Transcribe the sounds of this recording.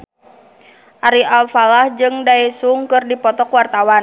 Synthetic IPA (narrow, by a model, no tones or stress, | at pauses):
ʔaɾialfalahd͡ʒɨŋdaisuŋkɨrdipɔt̪ɔkwart̪awan